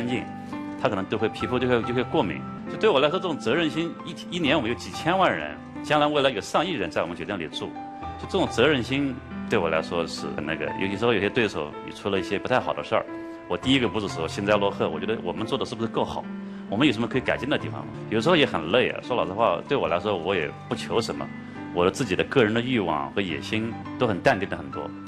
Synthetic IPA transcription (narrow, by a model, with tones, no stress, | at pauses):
a˥nt͡ɕi˥˩ŋ | t̪ʰa˥kʰn˧˥jo˥˧xwe˥˩ɪpʰi˧˥u˥˧jo˥˧xwt͡ɕjo˥˧xwe˥˧ɪkwɔ˥˩mḭ˧˥ŋ | o˥˧t̪we˥˩ɪɔ˨˩la˧˥ʂwɔ˥ɤ˥˩ʈ͡ʂʊ˨˩ŋt͡sɤ˧˥ɻə˧nɕi˥ŋʰ˥˧˥i˥˩njɛ˧˥wmə˦˥jo˧˥ʊt͡ɕi˨˩t͡ɕʰjɛ˥nwa˥˩nɻə̰˧˥n | t͡ɕjɑ˥ŋla˧˥we˥˩ɪla˧˥˩ʂɑ˥˧ŋi˥˩ɻə˧˥nt͡sa˥˩wɔ˨ə˦nt͡ɕo˨˩jɛ˥nlḭ˨˩ʈ͡ʂṵ˥˩ | o˥˧˥ʈ͡ʂɤ˥˩ʈ͡ʂʊ˨˩ŋt͡sɤ˧˥ɻə˧˥˩nɕi˥n | t̪we˥˩ɪwɔ˨˩la̰˧˥ʂwɔ˥ʂɻ̩˥˧ə˨˩na̰˥˩ɡə̰˩jo̰˨˧i˥˩ʂ̩˧˥˩jo˨˩ɕɛ˥t̪we˥˩ɪʂo̰˧˥˩ʊnḭ˨˩ʈ͡ʂʰu˥lə˧i˥˩ɕjɛ˥pu˧˥t̪ʰa˥˩ɑ˨˩ʊd̪ə̰˦ʂə̰˞˥˩ | wɔ˨˩t̪i˥˧i˥ɡə˧pu˧˥ʂɻ̩˧˩ʂ̩˧˩ʂwɔ˥˩ɕɛ˥nt͡sa˥˧lwɔ˥˧xɤ˥˩wɔ̰˨˩t͡ɕɥɛ˧˥d̪ə˧wɔ̰˨˩mə˦nt͡swɔ˥˩d̪əʂɻ̩˥˩bu˩ʂɻ̩˥kɤ˥˩ʊxɑ˨˩˦ʊ | wɔ˨˩mə˦njʂə˧˥mə˧kʰka˨˩ɪt͡ɕi˥˩nd̪ə˩t̪i˥˩fɑ̰˧ŋmɐ̰˩jo˨˩ʂəʂ̩˧xjɛ˧˥xə˨˩nle˥˩ɪɐ̰˨˩ʂwɔ˥lɑ˨˩d̪xwa˥˧˩t̪we˥˩ɪwɔ˨˩la˧˥ɪʂ̬wɔ˥wɔ˧˥jɛ̰˨˩pu˥˩t͡ɕʰjo˧˥ʊʂə˧˥mə̰˧ | wɔ˨˩d̪ə˦t͡sɹ̩˥˩t͡ɕi˨˩d̪ə˦kɤ˥˩ɻə˧˥nd̪ə˧y˥˧wɑ̰˥˩ŋxɤ˧˥jɛ̰˨˩ɕi˥n | t̪o˥ʊxə˨˩nt̪a˥˧nt̪i˥˩nd̪ə˩xə˨˩nt̪wɔ̰˥